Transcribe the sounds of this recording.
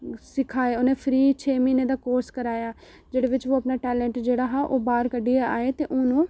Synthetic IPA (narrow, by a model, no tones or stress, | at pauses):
sɪkʰaːeːʊnẽːpʰɾiːt͡ʃʰeːmiːneːd̪aːkoːɾskəɾaːjaː | d͡ʒeːɽeːʋɪt͡ʃʋoːəpnaːʈɛːlɛ̃ɳʈd͡ʒeːɽaːɦaːʔoːbaːɾkəɖiaaːeːt̪eːʔʊnũː